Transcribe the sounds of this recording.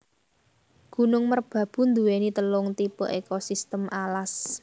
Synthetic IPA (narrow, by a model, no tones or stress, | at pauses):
ɡ̥ṳnʊŋmərb̥ä̤b̥ṳnd̪uwenit̪əlʊŋt̪ipɔ̰ʔekosist̪əmʔalas